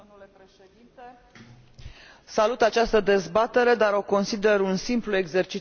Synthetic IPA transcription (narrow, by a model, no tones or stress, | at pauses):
omulepɾeʃed̪int̪e̞ | salut̪at͡ʃast̪əd̪e̞zbat̪e̞ɾe̞d̪aɾo̞ko̞nsid̪e̞runsimplue̞ɡze̞rt͡ʃi